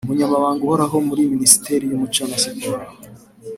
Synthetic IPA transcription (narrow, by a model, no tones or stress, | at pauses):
umuɲamaβaːŋɡuhoɾaɦo̞muɾiminisi̥te̞ɾijumut͡ʃaːmasiɡuɾa